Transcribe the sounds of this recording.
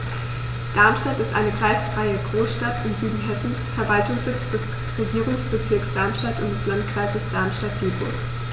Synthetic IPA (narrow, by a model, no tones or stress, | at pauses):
d̥aɐmʃtatɪstʔa̰ɪnəkʁ̥aɪsfʁ̥aɪəɡʁoːsʃtatɪmzyːdn̩ɦɛsn̩sfɛɐvaltʊŋsz̥ɪt͡sd̥ɛs | ʁeɡiːʁʊŋsb̥ət͡sɪɐksd̥aɐmʃtatʊntd̥ɛslantkʁ̥aɪzəsd̥aɐmʃtat̚ɡ̥eːbʊ̰ɐk